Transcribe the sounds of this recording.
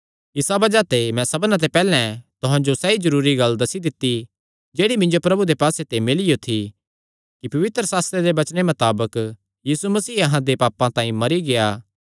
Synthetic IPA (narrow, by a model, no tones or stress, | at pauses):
ɪsabɐd͡ʒat̪emɛ̃sɐbnãt̪̬epɛːlɛ̃t̪ʊɦãd͡ʒosɛizɐɾuːɾiɡɐld̪ɐsid̪ɪt̪ːi | d͡ʒeːɽimɪ̃nd͡ʒopɾɐbud̪epaːset̪emɪlijot̪ʰi | kipɐʋɪt̪ɾəsaːst̪ɾeɾebɐt͡ʃnemɐt̪aːbək | jiːsumɐsiːɐɦãd̪epaːpãt̪ãːĩmɐɾiɡejaː